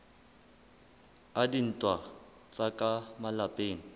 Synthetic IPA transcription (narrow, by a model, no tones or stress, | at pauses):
adin̩tʼwa | t͡sʼakʼamalapʼeːŋ̩